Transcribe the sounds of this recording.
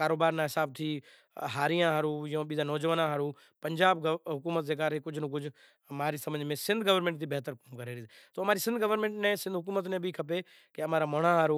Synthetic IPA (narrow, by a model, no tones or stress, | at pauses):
kaːɾoːbaːɾnãɦɪsaːb̚t̪ʰi | ɦaːɾijãɦaːɾujãːɓiːd̪anɔːd͡ʒəʋənãɦaːɾu | pɐ̃ɲd͡ʒaːbɦʊkuːmət̪̚d͡ʑeːk̬aːɾekʊd͡ʒʱnə̃k̬ʊd͡ʒʱ | maːɾisɐmə̃ɲd͡ʒʱmẽsɪ̃nd̪ʱɡəʋəɾmẽɳʈd̪ibɛɦt̪əɾkoːmkɐɾeɾiːd̪t̪oːɦɐmaːɾisɪ̃nd̪ʱɡəʋəɾmẽːɳʈnẽsɪ̃nd̪ʱɦʊk̬uːmət̪mẽbʱikʰɐpe | keɐmaːɾamɐɽ̃ãɦaːɾu